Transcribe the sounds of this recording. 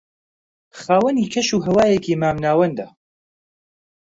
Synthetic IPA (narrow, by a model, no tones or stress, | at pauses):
xaːwɐniːkʰɐʃuːɦɐwaːjekʰiːmaːmnaːwɐnd̪ɐ